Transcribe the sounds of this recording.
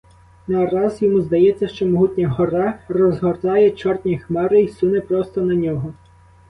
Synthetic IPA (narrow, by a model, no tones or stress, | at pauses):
narɑzjɔmuzd̪ɐjɛt͡sʲːɐʃt͡ʃɔmɔɦutʲnʲɐɦɔɾɑrɔzɦɔrt̪ɑjɛt͡ʃɔrt̪ʲnʲixmɛɾɪisunɪpɾɔst̪ɔnɐnʲɔɦɔ